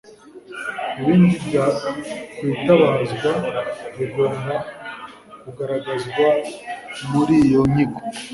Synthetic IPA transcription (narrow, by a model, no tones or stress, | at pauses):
iβindiɡakwitaβazɡwaβeɡoɾna | kuɡaɾaɡazɡwa | muɾijo̞ɲiɡo